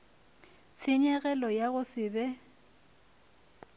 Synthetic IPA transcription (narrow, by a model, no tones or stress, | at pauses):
t͡sʰɪɲɛɣɛlɔjaɣʊsɪːbɛ